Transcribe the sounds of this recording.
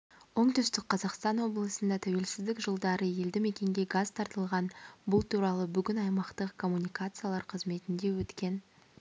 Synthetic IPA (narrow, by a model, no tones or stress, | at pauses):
wo̞ɴt̪ʏst̪ɪk̚qʰːɑzɑqst̪ɑnwo̞blˠəsənd̪ɑt̪ʰæwe̞lsɪzd̪ɪkʒəlˠd̪ɑɾəje̞ld̪ɪme̞kʲe̞ŋɡʲe̞ɡazt̪ʰɑɾt̪əlˠʁɑnbʊlˠt̪ʰuɾɑlˠəbʏɡʲɪnɑjmɑqt̪əqkʰo̞mːunʲijkat̪sɨjalˠɑɾqʰəzme̞t̪ɪnd̪e̞wɵt̪kʲe̞n